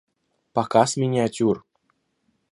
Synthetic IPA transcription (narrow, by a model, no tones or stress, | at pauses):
pɑkɑsmʲinʲeatʲur